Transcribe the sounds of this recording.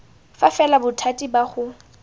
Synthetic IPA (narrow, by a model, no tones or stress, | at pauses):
fafɛlabʊtʰatʼibaχʊ